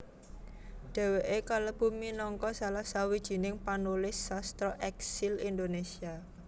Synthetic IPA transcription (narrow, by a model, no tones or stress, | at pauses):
ɖ̥ɛ̤weʔekaləb̥ṳminɔŋkɔsalasawid̥ʒ̥i̤nɪŋpanulɪsːast̪ɾɔʔɛksilind̪onesia